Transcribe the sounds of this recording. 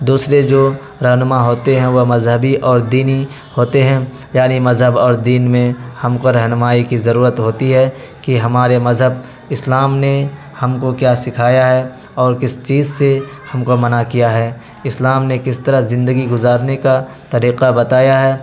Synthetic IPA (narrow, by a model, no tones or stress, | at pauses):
d̪uːsɾed͡ʒoː | ɾɐɦnʊmaɦoːt̪eɦɛ̃ʋomɐzɦəbiʔɔːɾd̪iːni | hoːt̪eɦɛ̃ | jaːnimɐzɦəbɔːɾd̪iːnmẽhɐmkoɾɐɦnʊmaːikizɐɾuːɾət̪ɦoːt̪iɦɛ | kiɦɐmaːɾemɐzɦəb̚ | ɪslaːmne | hɐmkokjaːsɪkʰaːjaɦɛ | ɔːɾkɪst͡ʃiːzse | hɐmkomɐnakijaɦɛː | ɪslaːmnekɪst̪ɐɾəɦzɪ̃nd̪əɡiɡʊzaːɾneka | t̪ɐɾiːqabɐt̪aːjaɦɛː